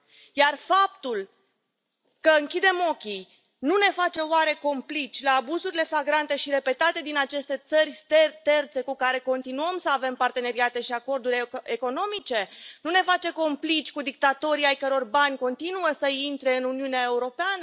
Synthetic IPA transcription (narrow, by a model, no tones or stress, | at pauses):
jarfap̚t̪ul | kəɨŋkʲid̪e̞mo̞kʲij | nune̞fat͡ʃe̞oaɾe̞ko̞mplit͡ʃʲlaːbuzuɾile̞flaɡɾant̪e̞ʃiɾe̞pe̞t̪at̪e̞d̪inat͡ʃe̞st̪e̞t̪sərʲst̪et̪e̞rt̪se̞kukaɾe̞ko̞nt̪inuəmsəave̞mpart̪e̞ne̞ɾiat̪e̞ʃiako̞rd̪uɾʲeko̞no̞mit͡ʃe̞nune̞fat͡ʃe̞ko̞mplit͡ʃʲkud̪ik̚t̪at̪o̞ɾiajkəɾo̞rbanʲko̞nt̪inuəsəint̪ɾe̞ɨnuniuneae̞uɾo̞peanə